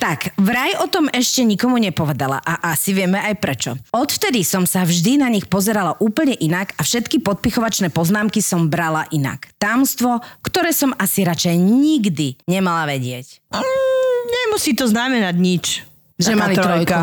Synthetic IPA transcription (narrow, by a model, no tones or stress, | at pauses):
t̪akʋɾajɔt̪ɔmɛʃcɛɲikɔmuɲɛpɔʋɛd̪ala̰ʔaʔasiʋɪɛmɛajpɾɛt͡ʃɔɔt̪ft̪ɛd̪isɔmsavʒd̪inaɲixpɔzɛɾalaʔuːpl̩ɲɛʔinakafʃɛt̪kipɔt̪̚pixɔʋat͡ʃnɛːpɔznaːmkisɔmbɾalaʔina̰kt̪amst̪ʋɔkt̪ɔɾɛːsɔmasiɾat͡ʃɛjɲiɡd̪iɲɛmalaʋɛɟɪɛc | ɲɛmusiːt̪ɔznamɛnaɟɲit͡ʃ | ʒɛmaiɾɾɔjka